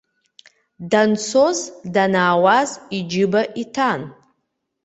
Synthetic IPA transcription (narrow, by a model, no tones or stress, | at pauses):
dant͡sʰozdanaːwazid͡ʒɪbaʔitʰan